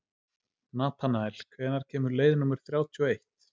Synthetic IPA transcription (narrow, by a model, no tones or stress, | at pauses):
naːt̪ʰanaɛlkʰvɛːnaɾ̥cʰɛːmʏɾleːjðnuːmʏɾ̥θɾjaːwt̪ʰyɔejht̪